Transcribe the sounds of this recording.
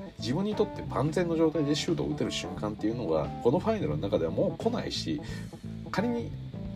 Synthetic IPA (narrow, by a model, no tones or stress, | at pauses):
d͡ʑibɯ̟̃ɲ̟ːit̪o̞t̪ːe̞bãnd͡zẽ̞nːo̞ʑo̞ːt̪aid̪e̞ɕɨːd̪o̞̰ːɯ̟t̪eɾɯ̟ɕɨ̰̃ŋkãnt̪ːe̞jɯ̟no̞ɡa̰ko̞no̞ɸainaɾɯ̟nonakad̪e̞βamo̞ːkʰo̞na̰ḭɕi | kaɾʲiɲ̟i